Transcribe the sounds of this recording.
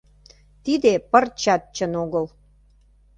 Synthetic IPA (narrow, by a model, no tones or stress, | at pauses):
t̪id̪epərt͡ɕɑt̪̚t͡ɕə̆noɣəl